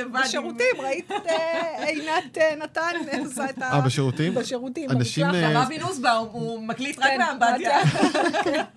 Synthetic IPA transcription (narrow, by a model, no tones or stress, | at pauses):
evaʃeʁutimʁait̪tejnat̪enatanmesaet̪aabeʃeʁut̪imbeʃeʁut̪imanaʃimaminusbaumɐklit̪ʁakeabada